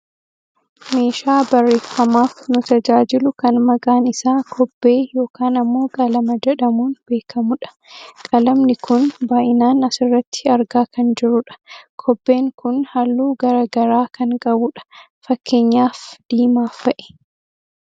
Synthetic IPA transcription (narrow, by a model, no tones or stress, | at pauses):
me̞ːʃaːbɐrːe̞ːfːɐmaːfnʊt̪ɐd͡ʒaːd͡ʒɪlʊkɐnmɐɡaːnɪsaːkʰɔbːe̞ːjo̞ːkaːnɐmːo̞ːkʼɐlɐmɐd͡ʒɛᶑɐmuːnbe̞ːkʰɐmʊᶑɐ̥ | kʼɐlɐmnɪkʊnbaːʔɪnaːnɐsɪrːɐt̪ːɪ̥ɐɾɡaːkɐnd͡ʒɪɾʊᶑɐ̥kʰɔbːe̞ːŋkʊnhɐlːuːɡɐɾɐɡɐɾaːkɐŋkʼɐbʊᶑɐ̥ | fɐkːe̞ːɲːaːfd̪̥iːmaːfːɐʔɛ̥